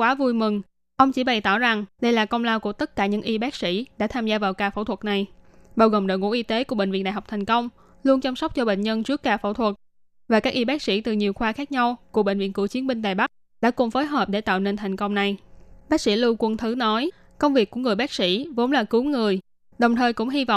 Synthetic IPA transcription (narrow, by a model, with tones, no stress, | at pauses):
kwaː˨˦vu˧jmɨ˨˩ŋ | ʔə˧wŋ͡mt͡ɕḭ˧˩ɓa˨˩jt̪ɔ˧˩za˨˩ŋɗə˧jlaː˨˩kə˧wŋ͡mlaː˧wku˧˩ət̪ə˦˥t̚kaː˧˩ɲɨ̰˧˥ŋʔi˧ɓaː˦˥k̚sḭ˧˥ɗa̰ː˧˥t̪ʰaː˧mzaː˧vaː˨˩wkaː˨˩fo̰˧˩t̪ʰwə˨˩t̚na˨˩jɓaː˧wɣo˨˩ŋ͡mɗo̰˧˨jŋṵ˧˥ʔi˧t̪e˨˦kəɓḛ˧˨ŋ̟v̰i˧˨nɗaː˧˨˩ɦwk͡p̚t̪ʰa˨˩jŋ̟kə˧wŋ͡m | lu˧ənt͡ɕa˧msa˦˥k͡p̚t͡ɕɔ˧ɓḛ˧˨ŋ̟ɲə˧nt͡ɕɨ˦˥əkːaː˧˩fo̰˧˩t̪ʰwə˨˩t̚ | vaː˨˩kaː˦˥k̚ʔi˧ɓaː˦˥k̚sḭ˧˥t̪ɨ˨˩ɲi˨˩əwxwaː˧xaː˦˥k̚ɲa˧wku˧˩əɓḛ˧˨ŋ̟vḭ˧˨ənkɨ˧˩ət͡ɕi˨˦ənɓi˧ŋ̟ɗaː˨˩jɓa˦˥k̚ | ɗa̰ː˧˥kʊ˨˩ŋ͡mfoː˨˦jɦəː˨˩p̚ɗe˧˩t̪a̰ː˧˨wne˧nt̪ʰa˨˩jŋ̟kə˧wŋ͡mna˨˩jɓaː˦˥k̚sḭ˧˥lɨ˧kwə˧˩nt̪ʰɨ˨˦nɔ˨˦j | kə˧wŋ͡mvi˨˩əkːu˧˩əŋɨ˨˩əjɓaː˦˥k̚sḭ˧˥vo˨˦nlaː˨˩kɨ˨˦ŋɨ˨˩əj | ɗə˨˩wŋ͡mt̪ʰəː˨˩jkʊ̰˧˥ŋ͡mɦi˧vɔ̰˧˨wŋ͡m